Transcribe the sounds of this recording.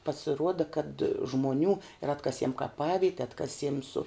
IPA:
pɐsʲɪˈruɔdɐ kɐt ʒmoːˈnʲuː ɪr ˈɑːtkɐsʲiɛm kɐˈpɑːʋʲɪtʲɛ ˈɑːtkɐsʲiɛm sʊ

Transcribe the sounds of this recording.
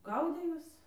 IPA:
ˈɡɐʊdʲeː ˈjuɔs

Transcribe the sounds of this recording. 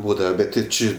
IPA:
ˈbuːdɐʋɐ ˈbʲɛt tʲɪ ˈt͡ʃʲɪ

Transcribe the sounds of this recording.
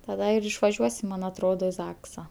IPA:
tɐˈdɐ ɪr ɪʃʋɐˈʒʲuɔsʲɪm ˈmɐn ɐtˈroːdoː ɪ ˈzɑːksɐ

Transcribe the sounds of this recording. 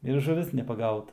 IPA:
ɪr ʒʊˈʋʲɪs nʲɛpɐˈɡɐʊtɐ

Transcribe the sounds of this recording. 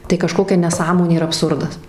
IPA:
tɐɪ kɐˈʃkoːkʲɛ nʲɛˈsɑːmoːnʲeː ɪr ɐpˈsʊrdɐs

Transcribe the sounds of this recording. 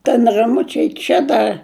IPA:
tʲɛn rɐˈmʊt͡ʃʲɛɪ ˈt͡ʃʲɛ dɐ

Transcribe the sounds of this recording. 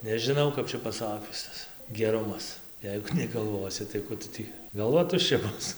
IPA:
nʲɛʒʲɪˈnɐʊ kɐp ˈt͡ʃʲɛ pɐˈsɑːkʲʊs ˈtɐs ɡʲɛˈrʊmɐs ˈjɛɪɡʊ nʲɛɡɐlˠˈʋoːsʲɪ tɐɪ ˈkʊ tʊ ˈtʲiː ɡɐlˠˈʋɐ tʊʃʲˈt͡ʃʲɛ ˈbʊs

